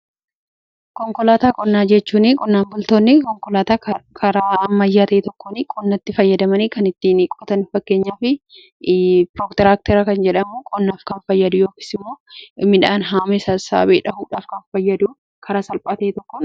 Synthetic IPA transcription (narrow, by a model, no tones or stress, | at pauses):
kɔŋkɔlaːt̪aːkʼɔnːaːd͡ʒɛt͡ʃːuːnɪkʼɔnːaːŋɡʊlt̪oːnːɪkɔŋkɔlaːt̪aːkʰɐɾaːɐmːɐjːaːt̪ɐʔɛt̪ɔkːonikʼɔnːɐt̪ːɪfɐjːɐd̪ɐmɐniːkɐnɪt̪ːiːnkʼɔt̪ɐnɪfɐkːe̞ːɲːaːfɪ | pɾoːkt̪ɛɾaːk̚t̪ɛɾɐkɐnd͡ʒɛᶑɐmukʼɔnːaːfkɐnfɐjːɐd̪ʊjo̞ːkɪ̥ːsɪmːo̞ːmɪᶑaːnɦaːmɛsɐsa̰ːbeːᶑɐhuːᶑaːfkɐnfɐjːɐd̪uː | kʰɐɾaːsɐlpʼaːt̪ɐɛt̪ɔkːoːn